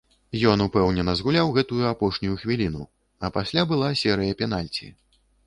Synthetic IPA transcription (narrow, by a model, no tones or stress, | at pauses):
jɔnupɛwnʲɛnɐzɣulʲawɣɛt̪ujuapɔʂnʲujuxvʲilʲinu | ɐpasʲlʲabɨlˠasʲɛɾɨjɐpʲɛn̪alʲt͡sʲḭ